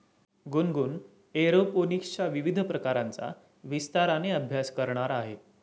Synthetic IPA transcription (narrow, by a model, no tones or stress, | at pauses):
ɡunɡuːn | eɾoponikt͡ɕaʋiʋid̪ʱpɾəkaɾant͡sa̰ | ʋist̪aɾaneəbʱjaskəɾɳaɾaɦe